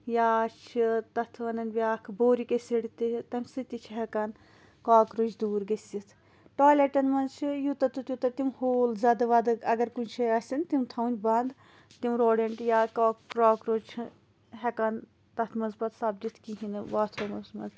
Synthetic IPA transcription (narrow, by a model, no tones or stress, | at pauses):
jaːt͡ʃʰit̪ɐt̪ʰʋɐnɐnʲbʲjaːkʰboːɾikesiɽit̪it̪ɐmʲsɨt̪it͡ʃʰɦekɐn | kaːkɾut͡ʃʰd̪uːɾɡɐsʲit̪ʰ | ʈoːleʈɐnmɐnzt͡ʃʰijut̪ɐt̪ut̪ʲjut̪ɐt̪imhoːlzʲaːd̪ɐʋɐd̪ɨɐɡɐɾkunʲt͡ʃʰɐɐsʲint̪imt̪ʰɐunʲbɐnd̪ | t̪imɾoːɽeɳʈjaːkoːkɾoːkɾot͡ʃʰ | ɦɛkɐn | t̪ɐt̪ʰmɐzbɐt̪saːb̚d̪it̪ʰkiɦinɨʋaːt̪ʰomɐzmɐnz